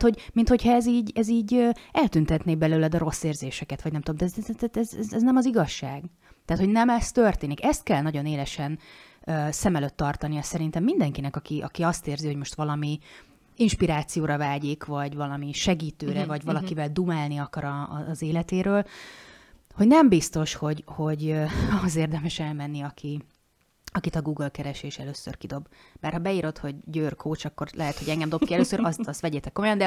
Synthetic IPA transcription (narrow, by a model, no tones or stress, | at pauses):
hoɟmint̪ho̞cʰhɒɛziːɟɛziːɟøɛlt̪ynt̪ɛt̪neːbɛløːlɛd̪ɒɾo̞sːeːrzeːʃɛkɛt̪ʋɒɟnɛmt̪ud̪omd̪ɛt̪t̪ɛt̪ɛzɛzɛznɛmɒziɡɒʃːaːɡ | t̪ɛːt̪ho̞ɟnɛmɛst̪ø̞rt̪eːnikɛst̪̚kɛlnɒɟo̞neːlɛʃɛn | øːsɛmɛløt̪ːɒrt̪ɒnijɒsɛɾint̪ɛmːind̪ɛŋkinɛkɒkiʔɒ̰kiɒst̪eːrziho̞ɟmo̞ʃt̪ʋɒlɒmi | inʃpiɾaːt̪sijoːɾɒvaːɟikvɒɟvɒlɒmiʃɛɡiːt̪øːɾɛvɒɟvɒlɒkivɛld̪umaːlniɒkɒɾɒːzeːlɛt̪eːɾøːl | ho̞ɟnɛmbist̪o̞ʃho̞ɟho̞ɟøɒɦozeːrd̪ɛmɛʃɛlmɛnːiɒkʰi | ɒkit̪ɒɡuːɡəlkɛɾɛʃeːʃɛløːsːø̰rkid̪o̞bbaːrhɒbɛiːɾo̞t̪ho̞ɟːøːrkʰoːt͡ʃɒkːorlʔɛɦɛt̪hoɟɛŋɡɛmd̪o̞pkiɛløːsøɾɒst̪ɒst̪ʋɛɟeːt̪ɛkomojɒnd̪ɛ